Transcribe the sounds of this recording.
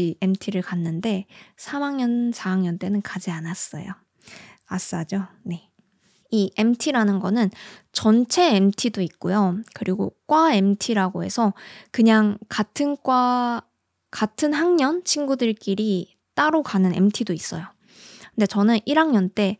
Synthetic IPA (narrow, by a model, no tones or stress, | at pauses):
ie̞mtʰiɾɯɭkanːɯnde̞sʰamaŋɲʌnsʰaaŋɲʌnt͈e̞nɯnkad͡ʑianas͈ʌ̰jo̰ | as͈ad͡ʑone̞ | ie̞mtʰiɾanɯnɡʌnɯnt͡ɕʌnt͡ɕʰe̞ːmtʰidoik̚k͈ojokɯɾiɡok͈wae̞mtʰiɾaɡoɦe̞̰sʰʌkɯɲaŋkatʰɯnk͈wa | katʰɯnɦaŋɲʌnt͡ɕʰiŋɡudɯɭk͈iɾi | t͈aɾokanɯne̞̰mtʰidois͈ʌjo | kɯnde̞t͡ɕʌnɯnʔiɾaŋɲʌnt͈e̞